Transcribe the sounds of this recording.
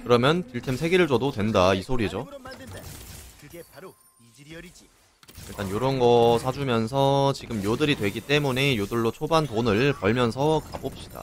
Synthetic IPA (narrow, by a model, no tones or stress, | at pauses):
kɯɾʌmjʌntɯɭtʰemsʰe̞ɡeɾɯɭd͡ʑʌdotwe̞ndaisʰoɾid͡ʑo | iɭt͈anjoɾʌnɡʌsʰad͡ʑumjʌnsʰʌt͡ɕiɡɯmjodɯɾidwe̞ɡit͈e̞mune̞jodɯɭːot͡ɕʰobantonɯɭpʌɭmjʌnsʰʌka̰bop̚ɕ͈i̥d̥a̰